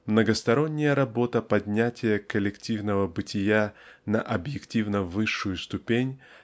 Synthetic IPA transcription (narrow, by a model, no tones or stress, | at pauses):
mnəɡəst̪ɐɾo̞nʲːɪjəɾɐbo̞t̪əpɐdʲnʲætʲɪjəkəlʲɪktʲivnəvəbɨtʲɪjanɐʔɐbjɪktʲivnəvɨʂːʊjʊst̪ʊpʲenʲ